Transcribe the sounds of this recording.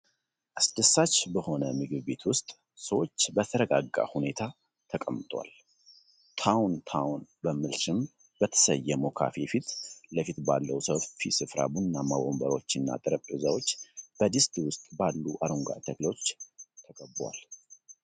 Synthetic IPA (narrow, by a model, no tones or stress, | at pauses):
ʔasd̪əsːat͡ʃːbəho̞nəmɨɡɨβbe̞t̪wʊst̪ʼ | səwo̞t͡ʃːbət̪ʰəɾəɡaɡːa̰hune̞t̪ʰa | t̪ʰəkʼəmːt̪ʼwa̰l | t̪ʰawnt̪ʰawnbəmɨlsɨm | b̥ət̪ʰə̥səjːɛmo̞kʰa̰fefit̪ləfit̪balːəwusəwfisɨfɾa̰bunnːamawombəɾo̞t͡ʃːɨnːa̰t̪ʼɨɾəp̪ʼɨzawo̞t͡ʃːb̥əd̪ɨst̪ʰʼiwʊst̪ʼbalːuʔaɾuŋɡa̰t̪ʰəɡlot͡ʃːt̪ʰəkʼəbwa̰l